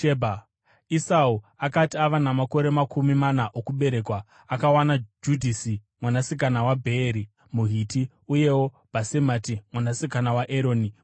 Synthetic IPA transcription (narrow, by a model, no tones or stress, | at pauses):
ebʱa | isauakatiaʋanamako̞ɾe̞makʰumimanaʔokuɓe̞ɾe̞kwa | akawanad͡ʒudʱisi | mwanasik̬anawabʱeːɾi | muɦiti | uje̞wo̞ | basematimwanasikanawaʔeɾo̞ːni